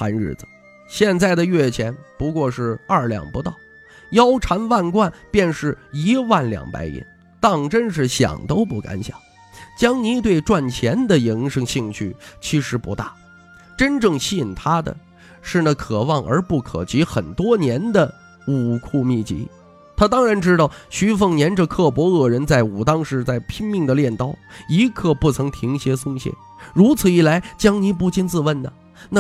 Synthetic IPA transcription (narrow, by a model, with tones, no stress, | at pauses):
xa˧˥nɻɻ̩̰˥˩d͡z̩˩ | ɕjɛ˥˧nt͡sa˥˩ɪd̪ə˩ɥɛ˥˩t͡ɕʰjɛ˧˥npu˧˥kwɔ˥˧ʂɻ̩˥˧ɐ˞˥˩ljɑ̰˨˩ŋpu˧˥t̪ɑ˥˩ʊ | jɑ˥ʊʈ͡ʂʰa˧˥nwa˥˧nkwa˥˧npjɛ˥˧nʂɻ̩˥˩i˧˥wa˥˩nljɑ̰˨˩ŋpa̰˧˥ɪḭ˧˥n | t̪ɑ˥˩ŋʈ͡ʂə˥nʂ̬ɻ̩˥˩ɕjɑ̰˨˩ŋt̪o˥ʊpu˥˩ka̰˧˥nɕjɑ̰˨˩˦ŋ | t͡ɕjɑ˥ŋni˧˥t̪we˥˧ɪʈ͡ʂwa˥˩nt͡ɕʰjɛ˧˥nd̪ə˨ji˧˥ŋʂɤ˥ŋɕi˥˧ŋt͡ɕʰy̰˥˩t͡ɕʰi˧˥ʂɻ̩˧˥pṵ˧˥t̪a˥˩ | ʈ͡ʂə˥nʈ͡ʂɤ˥˧ŋɕi˥˩nt̪ʰa˥d̪ə̰˨ | ʂɻ̩˥˧na˥˩kʰɤ˨˩wɑ˥˩ŋʔə̰˞˧˥pu˥˩kʰɤ̰˨˩t͡ɕi˧˥xə˨˩nt̪wɔ˥njɛ˧˥nd̪ə˨ | u˨˩kʰu˥˧mi˥˩t͡ɕḭ˧˥ | t̪ʰa˥t̪ɑ˥ŋɻa˧˥nʈ͡ʂɻ̩˥t̪ɑ˥˩ʊɕy˥fɤ˥˩ŋnjɛ˧˥nʈ͡ʂə˥˧kʰɤ˥˩pwɔ˧˥ɤ˥˩ɻə˧˥nt͡sa˥˩ɪu˨˩t̪ɑ˥ŋʂɻ̩˥˧t͡sa˥˩ɪpʰi˥ŋmi˥˩ŋd̪ə˩ljɛ˥˩nt̪ɑ˥ʊi˧˥kʰɤ˥˧pu˥˩t͡sʰɤ˧˥ŋt̪ʰi˧˥ŋɕjɛ˧˥sʊ˥ŋɕjɛ̰˥˩n | ɻu˧˥t͡sʰɹ̩˨˩i˥˩la˧˥ɪt͡ɕjɑ˥ŋni˧˥p̬u˥˩t͡ɕi˥nt͡sɹ̩˥˧wə˥˩nnə˩ | na˥˩